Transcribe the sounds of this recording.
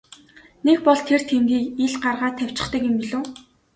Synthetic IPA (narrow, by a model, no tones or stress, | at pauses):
nekpɔɮt̪ʰer̥t̪ʰemɡʲiːkiɮɢarʁaːt̪ʰæw̥ʲt͡ɕɪ̥̆χt̪ə̆kjʊmpiɮoː